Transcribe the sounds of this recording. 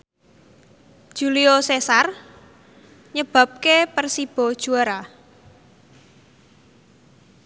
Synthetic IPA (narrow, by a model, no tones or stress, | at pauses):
d̥ʒ̥uliosesar | ɲəb̥ä̤p̚kepərsib̥ɔ̤d̥ʒ̥ṳaɾa